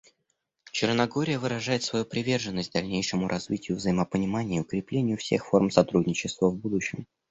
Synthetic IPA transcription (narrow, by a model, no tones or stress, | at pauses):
t͡ɕɪrnɐɡo̞ɾʲɪjəvɨɾɐʐajɪt̪svɐjupɾʲɪvʲe̞rʐɨnːəsʲt̚ʲd̪ɐlʲnʲejʂɨmʊɾʔɐzvʲitʲɪjʊvzəjɪməpənʲɪmanʲɪjiʊkɾʲɪplʲenʲɪjʊfsʲexfo̞rmsɐt̪ɾudʲnʲɪt͡ɕɪst̪vəvbud̪ʊɕːɪm